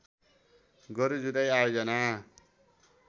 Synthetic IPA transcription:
ɡʌɾud͡zud̪ʌjajod͡zʌna

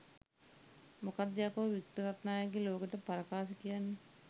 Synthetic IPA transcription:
mokad̪ːejakəʋʋikt̪uɾat̪naːjaɡeloːkeʈəpaɾɐkaːʃikijanːə

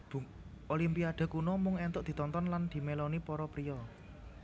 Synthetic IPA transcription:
b̥uŋ | ʔolimpiad̪̥a̤kunɔmʊŋɛnt̪ʊʔd̪̥i̤t̪ɔnt̪ɔnland̪̥i̤melonipɔɾɔpɾiɔ

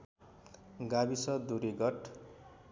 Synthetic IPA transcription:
ɡabisʌd̪uɾiɡʌʈ

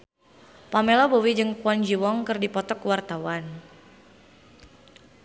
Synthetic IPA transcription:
pamelɔbowid͡ʒɨŋpuɔnd͡ʒiwɔŋkɨrdipɔt̪ɔkwart̪awan

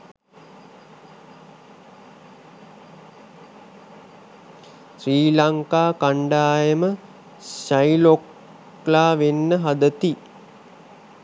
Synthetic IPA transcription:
sriːlaŋkaːkaɳɖaːjəmə | ʃajlok | laːʋenːəɦad̪ət̪i

